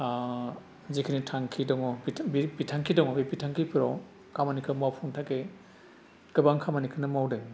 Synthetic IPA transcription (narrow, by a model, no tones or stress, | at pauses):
zikʰinitʰaŋkʰidɔŋɔbibipitʰaŋkʰidɔŋɔbipitʰaŋkʰipʰiɾɔ̰w | kʰamanikʰɯmawpʰɔŋtʰake | kɯbaŋkʰamanikʰɯnɯmawdɯŋ